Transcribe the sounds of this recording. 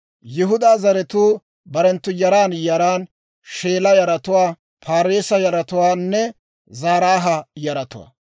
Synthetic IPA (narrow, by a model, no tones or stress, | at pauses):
jɪɦʊd̪aːzɐɾɛt̪uː | bɐɾɛnt̪ːʊjɐɾaːnjɐɾaːn | ʃeːlɐjɐɾɐt̪ʊwaː | pʰaːɾeːsɐjɐɾɐt̪ʊwaːnːɛ | zaːɾaːɦɐjɐɾɐt̪ʊ̰wa̰ː